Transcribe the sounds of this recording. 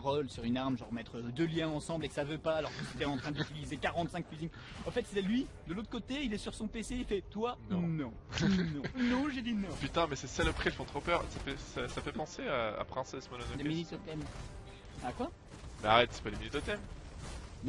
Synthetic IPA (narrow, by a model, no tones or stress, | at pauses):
ʁɔlsyʁynaʁmʒɑ̃ʁmɛt̪χəd̪øljɛ̃ɑ̃sɑ̃bleksavøpaːlɔʁkət̪yt̪ɛɑ̃t̪χɛ̃d̪t̪ilizekaʁɑ̃t̪sɛ̃k̚kɥyziɲ | ɑ̃fɛt̪sɛlɥid̪əlot̪χəkot̪eilɛsyʁsɔ̃peseifɛt̪wãnɔ̃ | nɔ̃nɔ̃ʒed̪inɔ̃pyt̪ɛ̃mɛsɛsaləpχiɛlfɔ̃t̪χopœʁsafɛsasafɛpɑ̃seaa̰pχɛ̃sɛsmɔnnd̪eminyt̪ot̪ɛm | akwa | mɛaʁɛt̪sɛ̥pad̪eminyt̪ɔt̪ɛm | ñ